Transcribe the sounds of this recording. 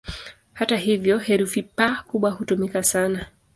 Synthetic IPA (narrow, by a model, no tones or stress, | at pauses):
hataɦivjɔhɛɾufipakuɓwahutumikasana